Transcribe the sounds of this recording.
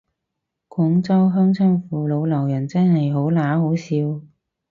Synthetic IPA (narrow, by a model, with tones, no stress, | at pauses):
kʰɔ˨˥ŋt͡sɐ˥wɦœː˥ŋt͡sʰœː˥ŋfuː˨lo˨˧wlɐ˨˩wjɐ˨˩nt͡sɐː˥nɦɐ˨jɦo˨˥wlaː˨˥ho˨˥wsiː˨˧˥w